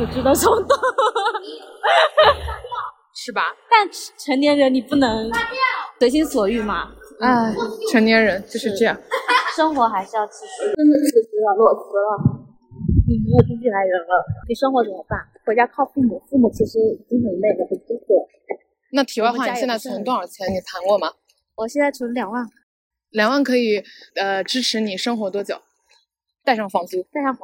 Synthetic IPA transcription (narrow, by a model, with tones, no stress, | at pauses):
ɔ˨˩ʈ͡ʂ̩̪˥ɑ˥˧ʊʈ͡ʂə˥˩mə˩t̪o˥ | ʂɻ̩˥˩bɐ˩t̪a˥˩nʈ͡ʂʰə˧˥nt̪jɛ˧˥nɻə˧˥nni˨˩pu˥˩nɤ˧˥ŋ | swe˧˥ɪɕi˥nswɔ˨˩y˥˩mɐ̰˩a˥˩ʈ͡ʂʰə˧˥ŋt̪jɛ˧˥nɻə˧˥nt͡ɕjo˥˧ʊʂɻ̩˧˥˧ʈ͡ʂɤ˥˧jɑ˥˩ŋʂɤ˥ŋxwɔ˧˥xa˧˥ɪʂɻ̩˥˧jɑ˥˩ʊt͡ɕʰi˧˩i˧˥ʈ͡ʂə˥nd̪ə˨nə˥˩ɡə˨˩s̩˧˥a˥˧˩lwɔ˥˩f̩˧˥lə˧ | ni˨˩mi˧˥jo˨˩u˥t͡ɕy˥˩la˧˥ɪɻə˧˥nlə˧ni˨˩ʂɤ˥ŋxwɔ˧˥ʈ͡ʂu˧˥˩mə˧˩ɪpa˥˩nxwɛ˧˥t͡ɕja˥kʰɑ˥˧ʊfu˥˩mu˥˩fu˥˩mu˨˩t͡ɕʰi˧˥ʂɻ̩˧˥i˨˩t͡ɕi˥ŋxə˨˩˧ne˥˩ɪd̪ə˨˩xwe˥˩tu˥kwɔ˥˩ | na˥˩t̪ʰi˨˩wa˥˧˥wa˥˩˥a˨˥˧t͡sa˥˩ə˧˥t̪wa˥˧nə˞˧˥t͡ɕʰjɛ˧˥nni˨˩pʰa˧˥nkwɔ˥˩mɐ˩ | wɔ˨˩ɕjɛ˥˧nt͡sa˥˩ɪu˧˥lljɑ˨˩ŋwa˥˩n | ljɑ˨˩ŋwa˥˩nkʰɤ˧˥i˨˩ə˧ʈ͡ʂɻ̩˥ʈ͡ʂʰɻ̩˧˥ni˨˩ʂɤ˥ŋxwɔ˧˥t̪wɔ˥t͡ɕjo˨˩˦ʊ | t̪a˥˧ɪʂɑ˥˩ŋfɑ˥˩ŋt͡su˥t̪a˥˧ɪʂɑ˥˩ŋf